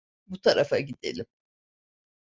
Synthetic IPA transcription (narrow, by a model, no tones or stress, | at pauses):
but̪ʰaɾʔafaɟid̪ḛlʲim